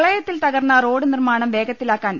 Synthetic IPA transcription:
ɭɐjɐt̪ːilt̪ɐɣɐrnːɐro̞ːɖɨnirmaːɳɐmʋe̞ːɡɐt̪ːilaːkːaːn

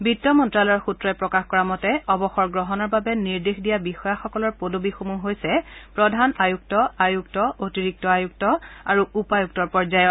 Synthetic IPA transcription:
bitːɔmɔntɹalɔjɔɹxutɹɔɛpɹɔkaxkɔɹamɔtɛɔbɔxɔɹɡɹɔɦɔnɔɹbabɛniɹdexdijabixɔjaxɔkɔlɔɹpodobixomuɦojsɛpɹɔdʱanajuk̚tɔajuktɔʔotiɹik̚tɔajuk̚tɔaɹuupajuk̚tɔɹpɔɹzajɔt

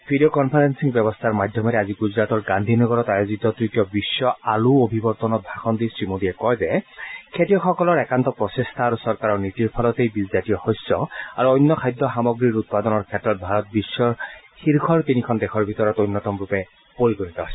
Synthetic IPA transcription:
bʱidiokɔnpʰaɹensiŋbjɛbɔst̪ʰaɹmad̪ʱjɔmɛɾɛaziɡuzɹat̪ɔɹɡand̪ʱinɔɡɔɹɔtajozit̪ɔtɹitijɔbisːɔaluobʱibɔɹt̪ɔnɔt̚bʱaxʰɔnd̪isɹimodiɛkɔjzɛkʰetijɔxɔkɔlɔɹɛkantɔpɹɔsestʰaːɹusɔɹkaɹɔɹnitiɹpʰalɔt̪ejbizzatijɔxɔjsɔaɹuɔjnːɔkʰajd̪ʱːɔxamɔɡɹiɹut̪̚pad̪ɔnɔɹkʰɛtːɹɔt̚bʱaɹɔt̪̚bisːɔɹxiɹkʰɔɹt̪inikʰɔndɛxʰɔɹbʱit̪ɔɹɔtojnːɔtɔmɹupɛ | poɹiɡonit̪ɔɦojsɔ

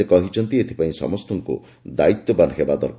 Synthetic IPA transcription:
ekɔɦit͡ʃʰɔnt̪iet̪ʰi̥paĩsɔ̰mɔst̪ɔŋkṵ | d̪ait̪ːɔbanɔɦebad̪ɔ̰ɾ

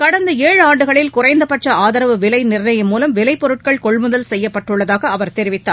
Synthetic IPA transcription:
kɐɽɐnd̪ɐeːɻɯaːɳɖɯɣɐɭɪlkʊrɐɪnd̪ɐpɐʈrɐaːðɐɾɐʋɯʋɪlɐɪnɪrnɐjɐmːuːlɐmʋɪlɐɪpːɔɾɯʈ̚kɐɭkɔɭmʊðɐlsɛjːɐpːɐʈːɯɭːɐðaːɣɐːʋɐɾt̪ɛɾɪʋɪt̪ːaː

